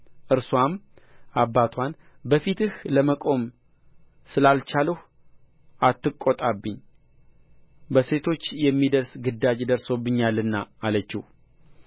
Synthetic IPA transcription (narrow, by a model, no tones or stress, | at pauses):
ʔɨɾswam | ʔabːat̪ʰwan | bəfit̪ɨhləməkʼo̞m | sɨlalt͡ʃaləh | ʔat̪ːɨkʼːot̪ʼabːɨɲː | bəse̞t̪ʰo̞t͡ʃːjɛmːid̪əɾsɡɨd̪ːad͡ʒd̪əɾso̞bːɨɲːalːɨnːaːlət͡ʃːih